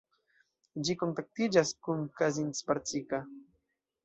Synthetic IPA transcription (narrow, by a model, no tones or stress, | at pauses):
d͡ʒikoŋt̪ak̚t̪id͡ʒaskumkazint͡spaɾt͡sika